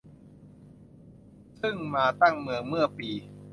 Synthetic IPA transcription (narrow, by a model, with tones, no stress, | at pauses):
sʰɯ˥˩ŋmaː˧t̪a˥˩ŋmɯ˧əŋmɯ˥˩ɐpiː˧